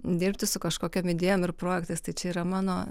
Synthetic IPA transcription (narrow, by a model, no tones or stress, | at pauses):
d̪ʲiːɾʲpʲt̪ʲɪsʊkɐʃkoːkʲomɪd̪ʲeːjoːmɪrpɾoːjɛkt̪ɐɪst̪ɐɪt͡ʃʲɛiːɾɐmɑːnoː